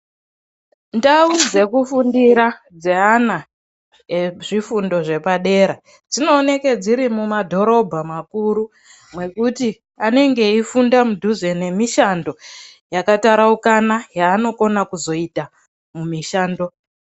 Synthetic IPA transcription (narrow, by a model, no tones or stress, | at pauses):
ndaud͡ze̞kufundiɾa | d͡ze̞ana | eʐifundo̞ʐe̞paɗe̞ɾa | d͡zino̞ːne̞ked͡ziɾimumadʱo̞ɾo̞bʱamakuɾu | mwe̞kuti | ane̞ŋɡe̞ifundamudʱuze̞ne̞miʃando̞ | jakataɾaukanajaːno̞ko̞nakuzo̞ita | mumiʃaːndo̞